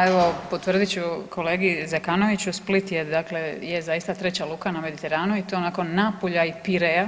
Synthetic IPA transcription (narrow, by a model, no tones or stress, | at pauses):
eʋo̞pot̪ʋrd̪it͡ɕukʰo̞le̞ːɡizekano̞ʋit͡ɕusplit̪jed̪aklejezajist̪at̪ɾe̞t͡ɕalˠuːkaname̞d̪it̪e̞ɾaːnuit̪oonako̞nːaːpoʎaipiɾeja